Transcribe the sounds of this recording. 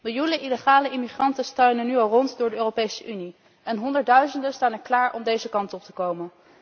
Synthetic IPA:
mɪlˠjunəʔiləχaːləʔɪmiχrɑntəstøɥnənyɑlˠrɔntdʊːɹdəøːropejsəʔyni | ɛnɦɔndəɹt̚dœɥzəndənstaːnɛɹklaːɹʔɔmdejzəkɑntɔp̚tə̥kowmən

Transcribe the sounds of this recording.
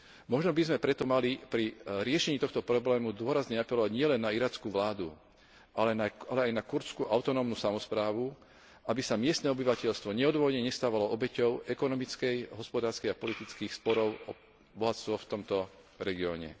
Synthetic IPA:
mɔʒnɔbizmɛpɾɛt̪ɔmalipɾiɾɪɛʃɛɲiːt̪ɔxt̪ɔpɾɔblɛːmud̪ʊɔɾazɲɛapɛlɔʋaɟɲɪɛlɛnːaiɾaːt͡skuʋlaːd̪u | ʔalɛnaalɛajnakuɾt͡skuʔaʊt̪ɔnɔːmnuːsamɔspɾaːʋu | ʔabisamɪɛst̪nɛɔbiʋacɛʎst̪ʋɔɲɛɔd̪ʋɔʋɔd̪ɲɛɲɛst̪aːʋalɔʔɔbɛcɔʊɛkɔnɔmit͡skɛjɦɔspɔd̪aːɾskɛjapɔlit̪it͡skiːxspɔɾɔʊɔ | bɔɦat͡st̪ʋɔft̪ɔmt̪ɔ | ɾɛɡiɔːɲɛ̰

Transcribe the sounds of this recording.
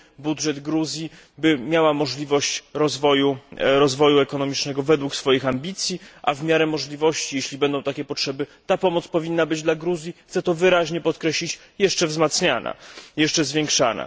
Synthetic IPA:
budʐɛd̪ɡɾuzʲji | bɘmʲjawamɔʐlʲivɔɕt͡ɕɾɔzvɔjuɾɔzvɔjuɛkɔnɔmʲit͡ʂnɛɡɔvɛd̪wuksfɔjixambʲit̪sʲjiʔa̰vmʲjaɾɛmɔʐlʲivɔɕt͡ɕijeɕlʲibɛnd̪ɔ̃w̃t̪akʲɛpɔtʂɛbɘt̪apɔmɔt̪spɔvʲinːabɘd͡ʑd̪laɡɾuzʲjixt̪sɛt̪ɔvɘɾaʑɲɛpɔt̪kɾɛɕlʲit͡ɕ | jɛʂt͡ʂɛvzmat̪sɲanʔa̰jɛʂt͡ʂɛzvʲjeŋkʂa̰na̰

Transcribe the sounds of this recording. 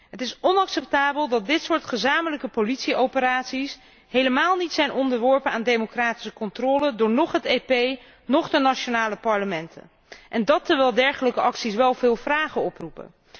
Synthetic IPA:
ɦətɪsɔnɑksɛp̚taːbəlˠdɑt̚dɪtsʊːɹtχəzaːmələkəpolitsiowpəɾaːtsis | ɦejləmaːlˠnitsɛjnʔɔndəɹʋɔɹpənaːndemokraːti̥səkɔntrɔːlədʊːɹnɔχɦətepej | nɔχdənat͡ʃonaːləpɑɹləmɛntə̰n | ʔɛndɑtːəɹʋɛlˠdɛɹχələkəʔɑksisʋɛlˠvɪːlˠvraːχəɔprupə̰

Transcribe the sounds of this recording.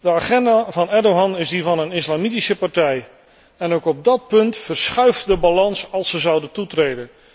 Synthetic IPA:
dəaːχɛndavɑnɛdowɦɑnɪzdivɑnənɪslamitisəpɑrtɛj | ɛnowkɔb̚dɑt̚pɵntfərsχœɥfdəbalɑnsɑlˠsəzʌwdəntutrejdən

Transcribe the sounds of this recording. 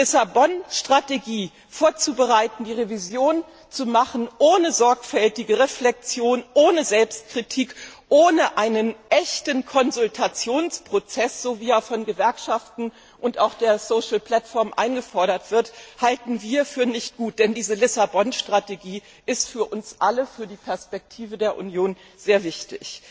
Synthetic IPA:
lɪsabɔnʃtʁ̥ateɡiː | foːɐt͡subəʁaɪtn̩diːʁevizjoːn | t͡sumaχn̩ʔoːnəzɔɐkfɛltɪɡəʁeflɛk̚t͡sjoːnʔoːnəzɛlpst̚kʁ̥itʰiːkʔoːnəʔaɪnənʔɛçtənkʰɔnzʊltʰat͡sjoːnspʁ̥ot͡sɛsz̥oːviːaːfɔnɡəvɛɐkʃaftn̩ | ʔʊntaʊxd̥eːɐsoːʃl̩pl̥atfɔɐmʔa̰ɪnɡəfɔɐɾɐtv̥ɪɐthaltn̩viːɐfyːɐnɪçt̚ɡ̥uːt̚d̥ɛndiːzəlɪsabɔnʃtʁ̥ateɡiː | ʔɪstfyːɐʔʊnsʔaləfyːɐdiːpʰɛɐspɛk̚tʰiːvədeːɐʔṵnjoːn | zeːɐvɪçtɪç

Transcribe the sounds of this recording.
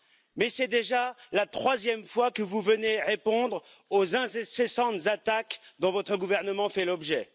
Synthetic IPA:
mɛsɛd̪eʒalat̪χwazjɛmfwakəvuvəneʁepɔ̃d̪ʁ | ozɛ̃sɛsɛsɑ̃t̪zat̪akd̪ɔ̃vɔt̪χəɡuvɛʁnəmɑ̃fɛlɔbʒɛ

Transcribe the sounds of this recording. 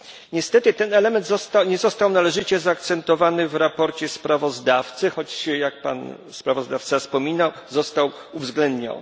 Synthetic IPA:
ɲɛst̪ɛt̪ɘt̪ɛnɛlɛmɛnd̪zɔst̪awɲɛzɔst̪awnalɛʐɘt͡ɕɛzaːk̚t̪sɛnt̪ɔvanɘvɾapɔɾt͡ɕɛspɾavɔzd̪aft̪sɘxɔt͡ɕɕjak̚pa̰n | spɾavɔzd̪aft̪safspɔmʲinawzɔst̪aw | uvzɡlɛnd̪ɲɔ̰n

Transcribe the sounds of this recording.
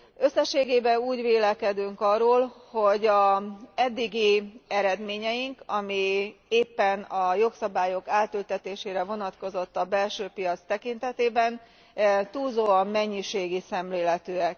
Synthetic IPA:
ø̞sːɛʃeːɡeːbɛuːɟʋeːlɛkɛd̪yŋkɒroːlho̞ɟɒɛd̪ːiɡiɛɾɛd̪meːɲɛjiŋkɒmieːpːɛnɒjo̞ksɒbaːjo̞kaːt̪ylt̪ɛt̪eːʃeːɾɛvo̞nɒt̪ko̞zo̞t̪ːɒbɛlʃøːpijɒt̪st̪ɛkint̪ɛt̪eːbɛn | t̪uːlzoːɒmːɛɲːiʃeːɡisɛmleːlɛt̪øːɛk

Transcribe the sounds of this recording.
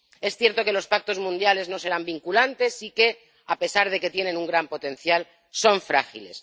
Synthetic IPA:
e̞sθje̞ɾt̪o̞ke̞lo̞spak̚t̪o̞zmũnd̪jale̞zno̞se̞ɾambiŋkulant̪e̞sike̞ | ape̞saɾð̞e̞ke̞t̪je̞nẽ̞nuŋɡɾampo̞t̪ẽ̞n̟θjal | so̞ɱfɾa̰xḭle̞̰s

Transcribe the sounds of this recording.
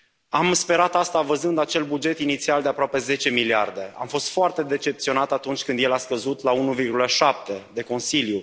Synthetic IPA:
amspe̞ɾat̪ast̪avəzɨnd̪at͡ʃe̞lbud͡ʒe̞t̪init̪siald̪e̞apɾoape̞ze̞t͡ʃe̞milia̰rd̪e̞a̰mfo̞st̪foart̪e̞d̪e̞t͡ʃe̞pt̪sio̞nat̪at̪unt͡ʃʲkɨnd̪jelaskəzut̪launuvirɡuləʃap̚t̪e̞d̪e̞ko̞nsilju

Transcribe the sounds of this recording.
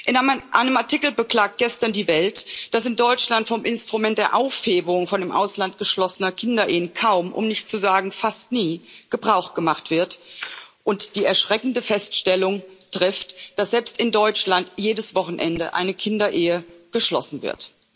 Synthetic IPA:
ʔɪnaʔaɪnəmaɐtʰɪkl̩bəkl̥aːk̚t̚ɡ̥ɛstɐndiːvɛltd̥asɪndɔʏt͡ʃlantfɔmʔɪnstʁ̥umɛnt̚d̥eːɐʔaʊfheːbəʁʊŋfɔndɪːmʔa̰ʊslant̚ɡ̥əʃlɔsənɐkʰɪndɐʔeːənkʰaʊmʔʊ̰mnɪçtt͡suzaːɡŋ̩fastniːɡ̥əbʁaʊxtɡ̥əmaχtv̥ɪɐtʔʊntd̥iːɛɐʃʁ̥ɛkn̩dəfɛstʃtɛlʊŋtʁ̥ɪftd̥asz̥ɛlpstɪndɔʏt͡ʃlantjeːdəsv̥ɔχn̩ʔɛ̰ndə̰ʔa̰ɪnəkʰɪndɐʔeːəɡ̥əʃlɔ̰sn̩vɪ̰ɐt

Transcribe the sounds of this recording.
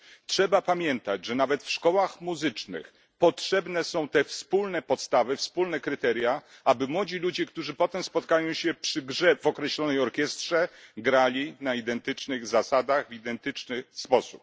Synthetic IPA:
tʂɛbapamʲjɛnt̪ad͡ʑʐɛnavɛt̪fʂkɔwaxmuzɘt͡ʂnɘ̰x | pɔtʂɛbnɛsɔ̃w̃t̪ɛfspulnɛpɔt̪st̪avɘfspulnɛkɾɘt̪ɛɾʲja | abɘmwɔd͡ʑilud͡ʑɛkt̪uʐɘpɔt̪ɛmspɔt̪̚kajɔ̃w̃ɕɛpʂɘɡʐɛvɔkɾɛɕlɔnɛjɔɾkʲɛst̪ʂɛɡɾalʲinaid̪ɛnt̪ɘt͡ʂnɘɣzasad̪aɣvid̪ɛnt̪ɘt͡ʂnɘspɔsu̥p̚

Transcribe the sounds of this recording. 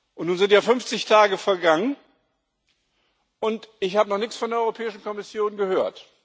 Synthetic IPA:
ʔʊntnuːnzɪntjaːfʏmft͡sɪçtʰaːɡəfɛɐɡaŋən | ʔʊntɪçhaːbənɔχnɪçt͡ssfɔndeːɐɔʏʁopʰɛːɪʃn̩kɔmɪsjoːnɡəhøːɐt

